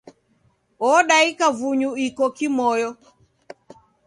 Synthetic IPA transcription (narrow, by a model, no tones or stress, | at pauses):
ɔɗaikavuɲuikɔkimɔjɔ